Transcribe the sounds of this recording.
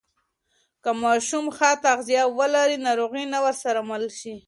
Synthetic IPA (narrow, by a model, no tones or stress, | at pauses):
kamɑʃumxat̪aɣzijɑwəlaɾinɑɾoɣinawəɾsaɾamalʃi